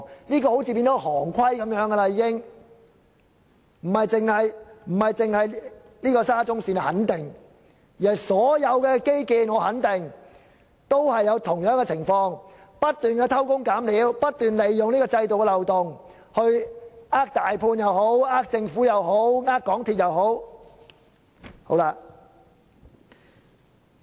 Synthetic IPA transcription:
niː˥kɔː˧ho˨˥wt͡sʰiː˨˧piː˧nt͡sɔ˨˥hɔː˨˩ŋkʰwɐ˥jkɐ˨˧˥mjœː˨˥ŋɡɐ˧la˧jiː˨˧kɪ˥ŋ | m̩˨˩hɐ˨jt͡sɪ˨ŋhɐ˨jm̩˨˩hɐ˨jt͡sɪ˨ŋhɐ˨j | niː˥kɔː˧saː˥t͡sʊ˥ŋsiː˧nɐ˨˩hɐ˨˥nt̪ɪ˨ŋ | ji˨˩ɐ˨˩jsɔː˨˥jɐ˨˧wkɛː˧ke˥jkiː˨nŋɔː˨˧hɐ˨˥nt̪ɪ˨˩ŋ | t̪o˥whɐ˨jːɐ˨˧wt̪ʰʊ˨˩ŋjœː˨˥ŋkɛ˧t͡sʰɪ˨˩ŋfɔː˧ŋ | pɐ˥t̚t̪yː˨nkɛː˧t̪ʰɐ˥wkʊ˥ŋkaː˨˥mliː˨˧˥wpɐ˥t̚t̪yː˨nle˨jːʊ˨ŋliː˥kɔː˧t͡sɐ˧jt̪o˨wkɛː˧lɐ˨wt̪ʊ˨ŋ | hɵ˧ɥʔaː˥k̚t̪aː˨jpʰuː˧njɐ˨˧who˨˥waː˥k̚t͡sɪ˧ŋfuː˨˥jɐ˨˧wɦo˨˥wŋaː˥kːɔː˨˥ŋt̪ʰiː˨˧t̚jɐ˨˧wɦo˨˥w | ho˨˥wla˧

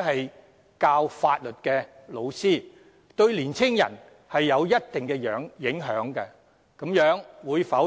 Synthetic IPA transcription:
hɐ˨j | kaː˧wfaː˧t̚lɵ˨t̚kɛː˧lo˨˧wsiː˥ | t̪ɵ˧ɥliː˨˩nt͡sʰɪ˥ŋjɐ̰˨˩n | hɐ˨jːɐ˨˧wjɐ˥t̚t̪ɪ˨ŋkɛ˧jœː˨˥ŋjɪ˨˥ŋɦœː˨˥ŋkɐ˧ | kɐ˨˥mjœː˨˥ŋwuː˨˧jfɐ˨˥

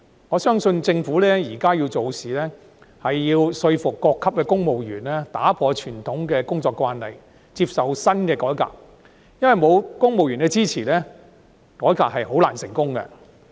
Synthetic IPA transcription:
ŋɔː˨˧sœː˥ŋsɵ˧nt͡sɪ˧ŋfuː˨˥lɛː˥jiː˨˩kaː˥ji˧wt͡so˨wsiː˨˩lɛː˥ | hɐ˨jːiː˧wsɵ˧ɥfʊ˨kːɔː˧kʰːɐ˥p̚kɛː˧kʊ˥ŋmo˨wjyː˨˩nlɛː˥t̪aː˨˥pʰɔː˧t͡ʃʰyː˨˩nt̪ʰʊ˨˥ŋkɛː˧kʊ˥ŋt͡sɔː˧kːwaː˧nlɐ̰˨˩j | t͡siː˧p̚sɐ˨wsɐ˥nkɛː˧kɔː˨˥jka̰ː˨k̚ | jɐ˥nwɐ˨jmo˨˧wkʊ˥ŋmo˨wjyː˨˩nkɛ˧t͡siː˥t͡sʰiː˨˩lɛː˥ | kɔː˨˥jkaː˨k̚hɐ˨jho˨˥wlaː˨˩nsɪ˨˩ŋkʊ˥ŋkɐ̰˧

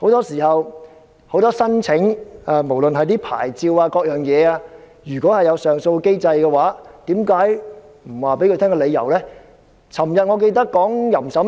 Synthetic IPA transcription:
ho˨˥wt̪ɔː˥siː˨˩hɐ˨w | ho˨˥wt̪ɔː˥sɐ˥nt͡sʰɪ˨˥ŋaː˧mo˨˩wlɵ˨nɦɐ˨jt̪iː˥pʰa̰ː˨˩jt͡siː˧waː˧kɔː˧k̚jœː˨ŋjɛː˨˧aː˧ | jyː˨˩kɔː˨˥hɐ˨jɐ˨˧wsœː˨ŋso˧wke˥jt͡sɐ˧jkɛː˧waː˨˥t̪iː˨˥mkaː˨˥j | m̩˨˩waː˨˩pe˨˥kɵ˧t̪ʰɛ˥kɔ˧le˨˧jɐ̰˨˩wlɛː˥ | t͡sʰɐ˨˩mjɐ˨t̚ŋɔː˨˧k̬e˧jt̪̬ɐ˥kːɔː˨˥ŋjɐ˨˩msɐ˨˥

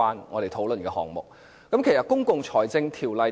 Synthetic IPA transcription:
aː˥nŋɔː˨˧ɾe˨jt̪ʰo˨˥wlɵ˨nkɛː˧hɔ̰ː˨ŋmʊ˨k̚ | kɐ˨˥mkʰe˨˩jsɐ˨˩t̚kʊ˥ŋkʊ˨ŋt͡sʰɔː˨˩jt͡sɪ˧ŋt̪ʰiː˨˩wlɐ˨j

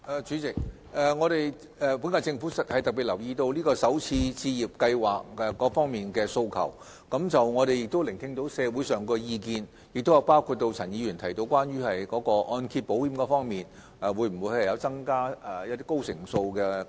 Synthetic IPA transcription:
ʔɛː˨˩t͡ʃyː˨˥t͡sɪ˨k̚ | ɛː˨˩ŋɔː˨˧ɾe˨j | ɛ˨˩pu˨˥nkaː˧t͡sɪ˧ŋfuː˨˥sɐ˨t̚hɐ˨jt̪ɐ˨k̚pi˨˩t̚lɐ˨˩wjiː˧t̪o˧wliː˥kɔː˧sɐ˨˥wt͡sʰiː˧t͡sʰiː˧ji˨p̚kɐ˧jwaː˨˩k̚ɛ˨kːɔː˨˥fɔː˥ŋmiː˨nkɛː˧so˧wkʰɐ̰˨˩w | kɐ˨˥mt͡sɐ˨wŋɔː˨˧ɾe˨jɪ˨k̚t̪o˥wlɪ˨˩ŋt̪ʰɪ˧˥ŋt̪o˨˥wsɛː˨˧wuː˨˥jsœː˨ŋkɔː˧jiː˧kiː˧n | jɪ˨k̚t̪o˥wjɐ˨˧wpaː˥wkʰuː˨˧t̚t̪ːo˧wt͡sʰɐ˨˩njiː˨˧jyː˨˩nt̪ʰɐ˨˩jt̪o˧wkwaː˥nɥyː˥hɐ˨jkɔː˨˥kɔː˧ʔɔː˧nkʰi˧t̚po˨˥whiː˧˥mkɔː˨˥fɔː˥ŋmiː˨n | ʔɛ˨wuː˨˥jm̩˨˩wu˨˧˥hɐ˨˩jɐ˨˧wt͡sɐ˥ŋkaː˥ɛ˨jɐ˥t̚t̪iː˥ko˥wsɪ̰˨˩ŋso˧wkɛː˧

